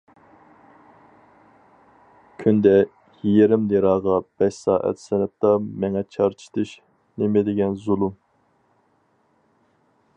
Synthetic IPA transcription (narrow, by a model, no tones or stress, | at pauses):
kʲʰynd̪ɛ | jijeɾɪmd̪eɾɑːʁɑb̥ɛʃsɑ̰ːʔɛ̰t̪sɛnɛp̚t̪ɑmɛŋɛt͡ʃʰɑɾt͡ʃ̪ʰɨ̥t̪ʰɨʃ | nemɪd̪ɪɡʲɛnzulˠum